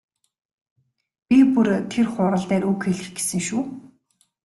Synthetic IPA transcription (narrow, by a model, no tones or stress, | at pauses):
pʲipurt̪ʰerχʊːɾə̆ɮt̪æːɾukxeɮɘ̆xɡe̥sɘ̆ŋʃuː